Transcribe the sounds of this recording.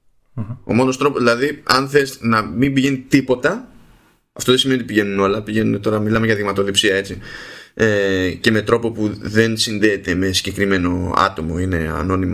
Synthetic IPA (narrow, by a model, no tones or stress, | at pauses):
o̞̰mo̞no̞st̪ɾo̞pozðilɐðiɐnθe̞znɐmimbiʝe̞nit̪ipo̞t̪ɐ | ɐft̪o̞ðesimeiot̪ipiʝe̞nuno̞lɐpiʝenunet̪o̞ɾɐmilɐmeʝɐðimɐt̪o̞lipsiɐe̞t͡siece̞me̞t̪ɾo̞po̞puðe̞nsinðeːt̪e̞me̞siɟekɾime̞no̞ɐ̰t̪o̞mo̞ine̞̰ɐ̰no̞nim